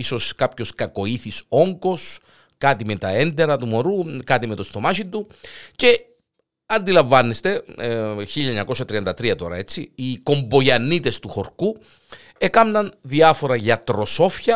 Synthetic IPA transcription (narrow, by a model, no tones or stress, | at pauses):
iso̞skɐpço̞skɐko̞iθiso̞ŋɡo̞s | kɐt̪imet̪ɐend̪e̞ɾɐt̪umo̞ɾukɐt̪imet̪ost̪o̞mɐʃind̪uce̞ | ɐnd̪ilɐɱvɐnːest̪e̞ | çiʎːɐeɲɐko̞sɐt̪ɾiɐnd̪ɐt̪ɾiɐt̪o̞ɾɐ̰e̞t͡siiko̞mbo̞ʝɐnːit̪e̞st̪uxo̞ɾku | ekɐmnɐnðiɐfo̞ɾɐʝɐt̪ɾo̞so̞fçɐ